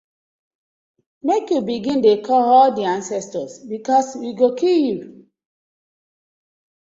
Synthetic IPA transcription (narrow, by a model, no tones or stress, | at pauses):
mekjubiɡĩndekʰɔɔldiãnsɛstɔsbikɔswiɡokilju